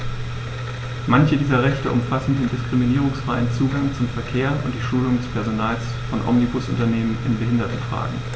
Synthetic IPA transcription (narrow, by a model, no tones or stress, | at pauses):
mançədiːzɐʁɛçtəʔʊ̰mfasn̩deːndɪskʁ̥iminiːʁ̞ʊŋsfʁ̥aɪənt͡suːɡaŋt͡sʊmfɛɐkʰeːɐʔʊ̰nt̚d̥iːʃuːlʊŋdɛspʰɛɐzonaːls | fɔnʔɔ̰mnibʊsʔʊ̰ntɐneːmənɪnbəɦɪndɐtn̩fʁ̥a̰ːɡŋ̩